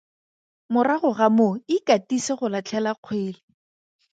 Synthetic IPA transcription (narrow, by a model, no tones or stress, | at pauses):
mʊraχʊɣamoɪkatiseχʊlat͡ɬʰɛlaq͡χʰwɪːlɪ